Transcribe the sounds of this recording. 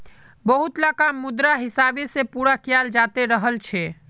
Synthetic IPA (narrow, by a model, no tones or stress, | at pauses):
bəɦut̪lakamːud̪ɾaɦɪsabesepuɾakijald͡ʒat̪eɾəɦəlt͡ʃʰɛ